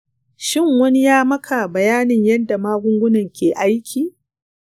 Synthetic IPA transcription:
ʃɪ˦˨ŋwɐ˦ni˦jaː˦mɐ˦kʰa˨bɐ˨jaː˦nɪ˨ɲjɐ˦nda˨maː˦ɡʷʊ˦ŋɡʷʊ˦nɐ˨ŋkʲeː˨ʔa˦jkʲʰiː˨

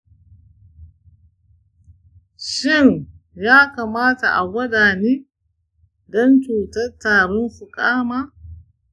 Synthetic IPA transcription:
ʃɪ˦˨n | jaː˦kaː˨maː˦ta̰˨ʔa˨wɐ˦daː˨niː˦ | dɔ˦nt͡ʃuː˨tɐ˦rtaː˨ɽɔ˦nɸʊ˨kʼaː˦maː˦

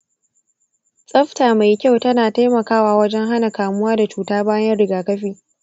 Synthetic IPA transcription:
sʼɐ˦ɸtaː˨ma˨jkʲa˦wtɐ˦naː˨ta˦jmɐ˨kaː˦waː˨wɐ˦d͡ʒɛ˦ŋɦa˦na˨kaː˨mʊ˦waː˦da˨t͡ʃuː˨taː˦baː˦jɐ˦nɽɪ˨ɡaː˨kɐ˦ɸiː˦

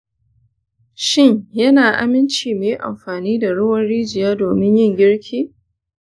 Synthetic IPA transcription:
ʃɪ˦ɲjɐ˦naː˨ʔa̰˨mɪ˦nt͡ʃiː˨meː˨˦ʔa̰˨mɸaː˨niː˦da˨ɽʊ˦wɐ˦nɽiː˦d͡ʒɪ˨jaː˦doː˨mɪ˦ɲjɪ˦ŋɡʲɪ˦ɽkʲʰiː˦

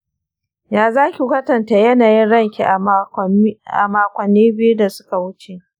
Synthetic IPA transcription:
jaː˨zaː˦kʲi˨kʷɐ˦tɐ˨ntaː˨jɐ˦naː˨jɪ˦nɽɐ˦˨ŋkʲi˨ʔa˨ | ʔa̰˨maː˦kʷɐ˨nːiː˦bɪ˦ju˦da˨sʊ̥˦ka˨wʊ˦t͡ʃe˨ʔ

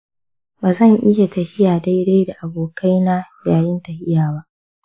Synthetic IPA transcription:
baː˨zɐ˦˨ŋʔɪ˦ja˨tɐ˨hɪ˦jaː˨da˦jɽe˦jda˨ʔa˨boː˨kʰa˦jnaː˦jaː˨jɪ˦ntɐ˨hɪ˦jaː˨ba˦ʔ

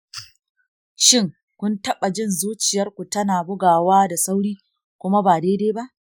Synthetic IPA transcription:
ʃɪ˦ŋ | kʷʊ˦ntɐ˦ɓa˨d͡ʒɪ˦˨nzuː˦t͡ʃɪ˨jɐ˦rkʷu˨tɐ˦naː˨bʊ˦ɡaː˨waː˦da˨sa˦wɽiː˦ | kʷʊ˦ma˦baː˨deː˦deː˦ba˦ʔ

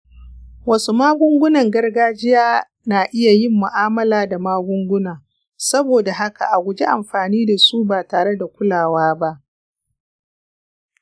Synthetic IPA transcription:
wɐ˦su˦maː˦ɡʷʊ˦ŋɡʷʊ˦nɐ˨ŋɡɐ˦rɡaː˦d͡ʒɪ˦jaː˦ | naː˨ʔɪ˦ja˨jɪ˦mːʊ˨ʔaː˦mɐ˦laː˨da˨maː˦ɡʷʊ˦ŋɡʷʊ˦naː˨ | sɐ˦boː˨da˨ɦa˦ka̰˨ʔa˨ɡʷʊ˨d͡ʒe˦ʔa˨mɸaː˨niː˦da˨su˦baː˨taː˨ɽe˦da˨kʷʊ˦laː˨waː˦ba˦ʔ

